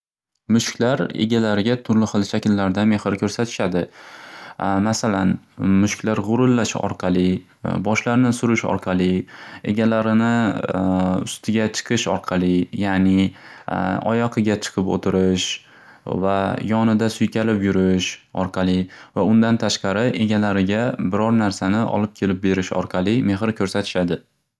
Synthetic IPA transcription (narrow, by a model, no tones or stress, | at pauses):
mʊʃkʲlaɾḛɡʲalaɾɪɡʲat̪ʰʊɾlɪhɨlˠʃakʲɪlːaɾd̪ame̞hɪɾkʲʰɵɾsat̪ʰɪ̥ʃad̪ɪ | masalanmʊʃkʲlaɾʁʊɾʊlːaʃɪɒ̰ɾqʰɑlɪ | bɒʃlaɾnɪsʊɾɪʃɒ̰ɾqʰɑlɪe̞̰ɡʲalaɾɪnɪ | ʊ̰st̪ʰɪɡʲat͡ʃʰɨ̥qʰɨʃɒ̰ɾqʰɑlɪjanɪ | ɒ̰jɒqʰɨɡʲat͡ʃʰɨ̥qʰɨpo̰t̪ʰɪɾɪʃ | vajɒnɪd̪asʊjkʲʰalɪpjʊɾɪʃɒɾqʰɑlˠɪvaʊnd̪ant̪ʰaʃqɑɾɪʔe̞ɡʲalaɾɪɡʲabɪɾɒɾnaɾsanɪʔɒ̰lˠɪp̚kʲʰe̞lɪp̚be̞ɾɪʃɒ̰ɾqʰɑlˠɪme̞ɦɾkʲʰɵɾsat̪ʰɪ̥ʃad̪ɪ